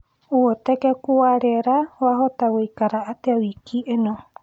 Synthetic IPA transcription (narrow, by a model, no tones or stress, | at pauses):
uot̪ekekuwaɾeɾawaɦot̪awejkaɾaʔat̪eawikʰiʔenõ